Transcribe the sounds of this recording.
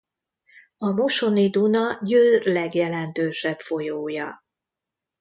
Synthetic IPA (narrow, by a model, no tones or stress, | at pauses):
ɒmo̞ʃo̞nid̪unɒjøːrlɛɡjɛlɛnt̪øːʃɛbfo̞joːjɒ